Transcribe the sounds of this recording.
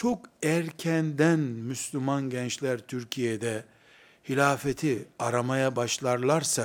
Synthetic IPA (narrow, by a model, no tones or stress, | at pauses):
t͡ʃʰo̞kæɾcʰɛnd̪ænmyslʲymanɟɛnt͡ʃlʲæɾt̪ʰyɾcʰijed̪ɛ | hilʲaːfet̪ʰiaɾamajabaʃlˠaɾlˠaɾsa